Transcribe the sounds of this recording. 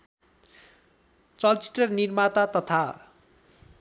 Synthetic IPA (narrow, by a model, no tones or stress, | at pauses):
t͡sʌlt͡si̥t̪rʌnirmat̪at̪ʌt̪ʰa